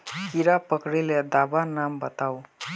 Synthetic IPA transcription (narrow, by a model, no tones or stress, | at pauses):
kiɾapʌkɾiled̪abanambət̪aw